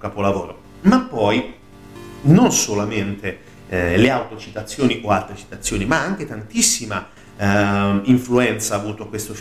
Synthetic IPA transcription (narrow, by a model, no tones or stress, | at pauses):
kapolavoːɾo | mapːɔj | nonsolament̪e | leawt̪ot͡ʃit̪at̪sːjoːniʔoalt̪ɾet͡ʃi̥t̪at̪sːjoːnimaaŋk̟et̪ant̪isːima | iɱfluɛnt̪saːvuːt̪oakːwest̪o